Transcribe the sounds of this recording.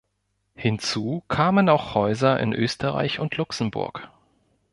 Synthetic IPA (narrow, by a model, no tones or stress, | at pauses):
hɪnt͡suːkʰaːmənaʊxhɔʏzɐʔɪ̰nʔøːstʰəʁa̰ɪçʊntʰlʊksn̩bʊ̰ɐk